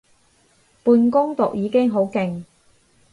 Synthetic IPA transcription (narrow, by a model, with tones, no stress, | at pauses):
puː˧nkʊ˥ŋt̪ʊ˨k̚jiː˨˧kɪ˥ŋɦo˨˥wkɪ˨ŋ